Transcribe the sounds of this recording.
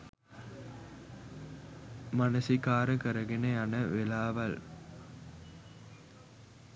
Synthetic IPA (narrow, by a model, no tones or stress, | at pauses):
mɐnɐsikaːɾɐkɐɾɐɣɪnɐaːnɐʋɛlaːʋɐl